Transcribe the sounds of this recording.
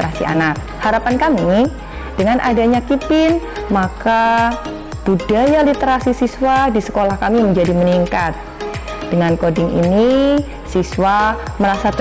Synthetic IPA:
ɾasḭa̰nak̚ | haɾapankami | d̥əŋanʔadaɲakipɪnmaka | b̥udajalit̪əɾasisiswadisə̥kolahkamiməɲd͡ʒadiməniŋkat̪̚ | d̥əŋankodɪŋḭni | siswaməɾasat̪

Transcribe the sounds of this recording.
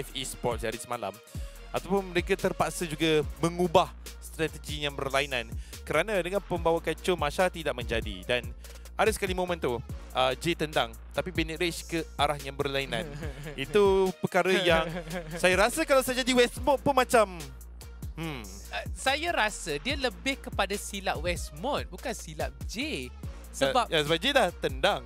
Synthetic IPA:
ɛfispɔt̪̚daɾisəmala̰m | at̪awpʊnməɾekat̪ərpaʔsəd͡ʒuɡaməŋubah | st̪ɾat̪əd͡ʒijaŋbərlainãn | kəɾanãdəŋanpəmbawakat͡ʃʊnmaʃaɾat̪ːidaʔ̚mə̃ɲd͡ʒadḭdan | adasə̥kalimomə̃nt̪uʔəd͡ʒet̪ənd̪aŋ | t̪apibɛnəɾet͡ʃkəʔaɾahjaŋbərlainã̰nit̪upəkaɾəjaŋsajaɾasəkalawsajad͡ʒadiwɛsmɔt̪̚punmãt͡ʃam | mm | əsajaɾasədiələbɪhkəpadasilaʔ̚wɛsmɔt̪̚bukansilap̚d͡ʒe | səbapjasəbap̚d͡ʒelaht̪əndaŋ

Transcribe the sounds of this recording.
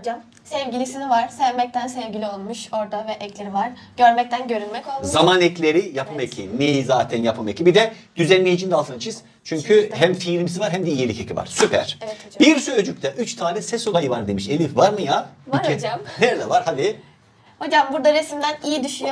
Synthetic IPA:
d͡ʒam | sɛvɟilʲisinivaɾ̥sɛvmɛc̚t̪ʰænsɛvɡɟilʲio̞lˠmuʃo̞ɾd̪avɛʔɛclʲeɾivaɾ̥ | ɟ̥ø̞ɾmɛc̚t̪ænɟø̞ɾynmɛcolˠmzamanɛclʲeɾijapʰamecʰinejizaːt̪ʰɛnjapʰamecibid̪ɛd̪̥yzɛnmejed͡ʒind̪alˠt̪ʰɯnat͡ʃʰiz̥ | t͡ʃʰyɲcʰyɦæmfiːɾimsivaɾɦɛmd̪ɛijelʲicʰecʰiva̰ɾ̥sypʰæ̰ɾ̥biɾsyød͡ʒyc̚t̪ɛʔyt͡ʃt̪ʰaːlʲɛsɛso̞lˠajɯvaɾd̪e̞miʃelʲifvaɾmɯjad͡ʒmnɛɾd̪ɛvaɾhad̪i | ho̞d͡ʒambuɾd̪aɾesimd̪ænijid̪yʃyj

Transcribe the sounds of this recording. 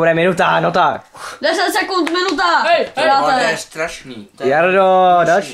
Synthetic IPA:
uɾɛmɪnut̪anot̪akdɛsɛt̪sɛkunt̪mɪnut̪̬aaːsɛɛst̪ɾaʃniːjaɾdodɔt͡ʃ

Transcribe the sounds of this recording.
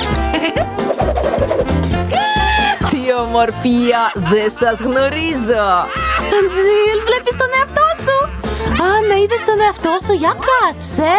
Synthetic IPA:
t̪iomo̞ɾfiɐðesɐzɣno̞ɾizot̪ond͡zilvle̞pist̪one̞ɐft̪osuɐnɐiðest̪o̞ne̞ɐft̪osoʝɐkɾɐsse

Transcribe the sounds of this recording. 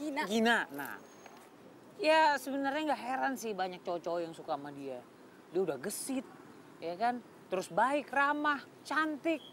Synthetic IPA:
nɡinana̰ | jasəbənarɲaŋɡaʔɦeɾansɪhbaɲak̚t͡ʃɔt͡ʃɔjaŋsukamadia | diaudahɡəsɪt̪̚ | jakan | t̪əɾʊsbaɪkramah | t͡ʃant̪ɪk̚

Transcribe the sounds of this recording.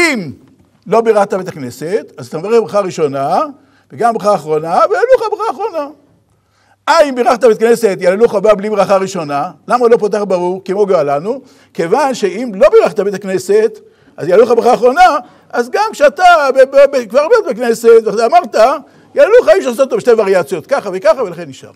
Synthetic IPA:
im | lo̞biʁaχt̪abet̪akne̞set̪azat̪amevaʁeχbʁaχaʁiʃo̞na | veɡambʁaχaːχʁo̞navejaluχabʁaχaːχʁo̞na | aimbiʁaχt̪abet̪akne̞set̬jaleluχabablibʁaχaʁiʃo̞nalamalo̞pot̪̬aχbaʁuʁkemoɡoalanu | ke̞vanʃeimlo̞biʁaχt̪abet̪akne̞set̪ | ʔazjaluχabʁaχaːχʁo̞na | ʔazɡamkʃeat̪abebbekvaʁbot̪bekne̞set̪veamaʁt̪a | jaleluχajimʃ̬eas̬ototoeʃte̞vaʁiat͡sjo̞t̪̚kaχavekaχave̞laχenːiʃa̰ʁ

